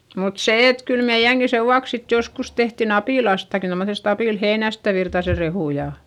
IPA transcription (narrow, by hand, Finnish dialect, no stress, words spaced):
mut se et kyl meij̆æŋki seʋːuɑks sit joskus tehtin ɑpiˑlɑstɑki tomːosest ɑpiˑlheinæstæ ʋirtɑse rehuˑ jɑ